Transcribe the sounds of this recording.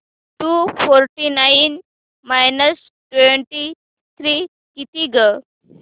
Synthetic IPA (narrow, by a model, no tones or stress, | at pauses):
ʈufoɾʈinajin | majnəs | ʈweɳʈi | t̪ʰɾi | kit̪iɡə